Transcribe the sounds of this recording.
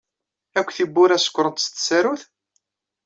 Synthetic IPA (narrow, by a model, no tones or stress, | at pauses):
ækʷːθibːʊɾæsə̥kʷːɾˤənt̪st̪sæɾuθ